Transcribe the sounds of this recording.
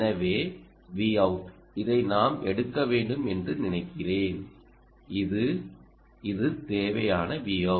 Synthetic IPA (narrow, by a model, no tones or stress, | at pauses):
nɐʋeː | ʋiɐʊʈ | ɪðɐɪnaːmɛɽɯkːɐʋeːɳɖɯmɛndrɯnɪnɐɪkːɪreːn | ɪðɯ | ɪðɯt̪eːʋɐjaːnɐʋiɐ